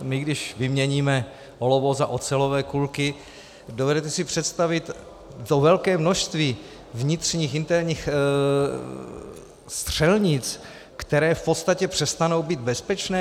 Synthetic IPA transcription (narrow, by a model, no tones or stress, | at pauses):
mɪɡdɪʃvɪmɲɛɲiːmɛ | ɦolovozaʔo̞t͡sɛlovɛːkulkɪ | dovɛdɛt̪ɛsɪpr̥ɛt̪st̪avɪt̪ | t̪ovɛlkɛːmno̞ʃst̪viː | vɲɪt̪r̝̥ɲiːxɪnt̪ɛɾɲiːx | st̪r̝̥ɛlɲɪt͡s | kt̪ɛɾɛːfpot̪st̪acɛpr̥ɛst̪ano̞wbiːd̪bɛspɛt͡ʃnɛː